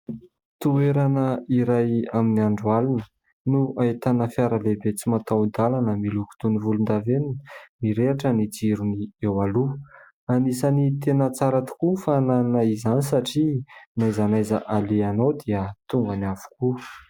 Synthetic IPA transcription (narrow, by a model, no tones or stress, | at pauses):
t̪ueɾanəiɾajaminiaɳɖ͡ʐualunə | nuaet̪anəfiaɾalebet͡simat̪awd̪alanəmiluku̥t̪univulund̪aveninmiɾeʈ͡ʂənid͡ziɾuniewalu | anisanit̪enət͡saɾat̪u̥kufananaizanisaʈ͡ʂinajzanajzəʔaleanawd̪iət̪uŋɡanav̥u̥ku